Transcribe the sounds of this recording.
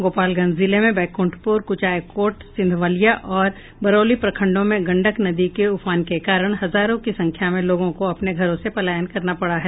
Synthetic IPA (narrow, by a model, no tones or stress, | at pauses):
ɡoːpaːlɡɐ̃nzɪlemẽbɛːkʊ̃ɳʈʰpʊɾkʊt͡ʃaːjkoːʈsɪ̃nd̪ʱʋaːlijaʔɔːɾ | bɐɾoːlipɾɐkʰə̃ɳɖõmẽɡɐ̃ɳɖəknɐd̪ikeʊfʰaːnkekaːɾəɽ̃ɦɐzaːɾõkisɐ̃ŋkʰjamẽloːɡõkoɐpneɡʱɐɾõsepɐlaːjənkɐɾnapɐɽaɦɛː